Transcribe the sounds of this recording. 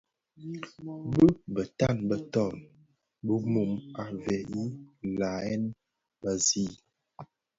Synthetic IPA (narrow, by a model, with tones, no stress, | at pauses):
bə˦bə˨ta˦˨nbə˨tɔ˦˨n | bə˦mu˨ma˨vɛ˨i˦la˨ɛ˦n | ba˦zi˦